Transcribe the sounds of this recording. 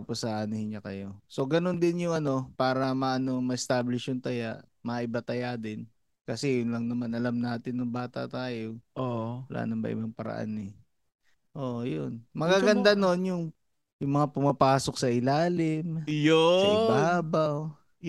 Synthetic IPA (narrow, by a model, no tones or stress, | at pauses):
posːɐʔaːnɐhɪɲakɐjo̞so̞ɡɐno̞nd̪ɪnjʊŋɐno̞paːɾɐmɐʔɐno̞ŋmɐʔɪst̪aːblɪʃjʊŋt̪ɐjaʔmɐʔɪbat̪ɐjad̪ɪn | kɐsɛjʊnlɐŋnɐmanɐlamnaːt̪ɪnːʊŋbaːt̪ɐ̰t̪aːjoʔowɐlʔa̰ːnɐmbɐ̰ʔɪ̰baŋpɐɾɐ̰ʔa̰nɛ | ʔoːʔjonmɐɡaːɡɐnd̪ano̞njʊŋ | jʊŋmɐŋapʊmɐpaːsok̚sɐʔɪlaːlɪmjosɐɪbaːbɐw